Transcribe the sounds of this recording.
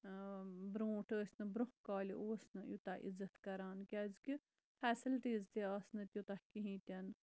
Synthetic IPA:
bɾõːʈəːsʲnɐbɾõhkaːlʲḭʔoːsnɐjut̪aʔḭzɐt̪kɐɾaːnkʲɐzki | fʰɛːsilʈiːzt̪eɐːsnɐt̪ʲjut̪ɐhkiɦĩːt̪ʲɐn

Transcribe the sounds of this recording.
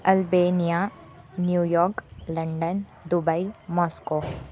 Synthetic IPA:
ɐlbeːnija | njuːjɔːɾklɐ̃ɳɖən | d̪ʊbəimɔːskoː

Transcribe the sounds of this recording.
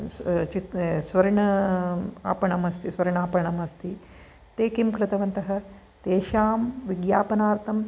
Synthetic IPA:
t͡ʃit̪sʋɐɾiɳɐ | a̰ːpɐɳɐmɐst̪isʋɐɾiɳaːpɐɳɐmɐst̪i | t̪eːkimkɾɪt̪ɐʋɐnt̪ɐɦɐ̆ | t̪eːʃaːmʋiɡjaːpɐnaːɾt̪ʰɐm

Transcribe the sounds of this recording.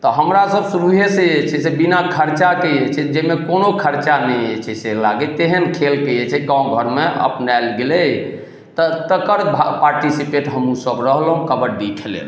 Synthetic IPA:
t̪ɔɦəmɾasəbsuɾuɦeseet͡ʃʰɛsebinakʰəɾt͡ʃakejet͡ʃʰɛd͡ʒemekonokʰəɾt͡ʃanɛjet͡ʃʰɛselaɡet̪eɦənkʰelkejet͡ʃʰɛɡãũɡʱəɾmeə̰pnaɪlɡelɛj | t̪ɔt̪əkəɾbʱapaɾʈisipeʈɦəmũsəbɾəɦlɦũkəbəɾɖikʰelḛl

